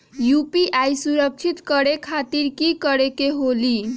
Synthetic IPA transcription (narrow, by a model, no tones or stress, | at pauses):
jupiʔajsuɾək̚t͡ʃʰit̪kəɾekʰat̪iɾkikəɾekeɦoli